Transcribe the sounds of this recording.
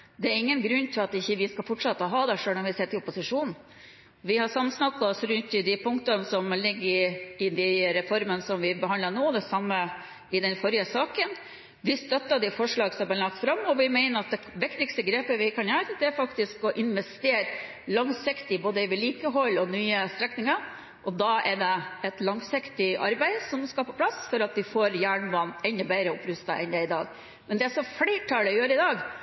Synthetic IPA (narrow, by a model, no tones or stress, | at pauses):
d̪ɛæɾɪŋːənɡɾʉnːt̪ʰɪlɑt̪ɪçːəʋɪskɑfɔʈʂɑt̪ːəɦɑːd̪ɛʂøːlɔʋɪseːt̪ɪlʊpːʊsɪʂuːn̩ | ʋɪhɑsɑmːəsnɑkːɑɔsɾʉnt̪ɪd̪ɪpʰʊŋkt̪ɑnəsɔmlɪɡːəɾɪd̪ɪɾɛfɔɾmənəsɔmʋɪbəhɑnd̪ɑnoːd̪ɛsɑmːə | ɪd̪ɛnfɔɾjəsɑːkən | ʋɪst̪œt̪ːɑd̪ɛfɔʂɭɑːɡsɔmbɛːəlɑk̚t̪fɾɑmːɔʋɪmæɪnəɾɑt̪̚d̪ɛ | ʋɪkt̪ɪkst̪əɡɾeːpəʋɪkʰɑnjæt̪əd̪ɛæɾfɑkt̪ɪskɔʔɪnʋɛst̪eːɾ | lɑŋsɪkt̪ɪboːd̪əʋɪliːkəɦɔlːɔnyːəst̪ɾɛknɪŋɑ | ʔɔd̪ɑʔɛɖɛɛt̪lɑŋsɪkt̪ɪʔɑ̰ɾbæɪsɔmskɑpɔpʰlɑsfɔɾɑt̪ʋɪfoːɾjæːɳʋɑnːɛnd̪əbæɪɾəɔpɾʉst̪ɑʔɛ̰nd̪ɛɪd̪ɑ̰ːɡ | mɛnd̪ɛæsɔflɛɪʈʰːɑlɔjøːɾəɪd̪ɑːɡ